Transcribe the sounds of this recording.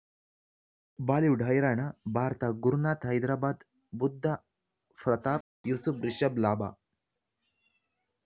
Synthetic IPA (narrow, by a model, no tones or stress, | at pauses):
baːliwɖʱajɾaɳabʱaɾt̪aɡuɾunaːt̪ɦəjd̪ɾaːbad̪ | bud̪ʱːa | fɾət̪aːp̚jusufɾiɕəblaːba̰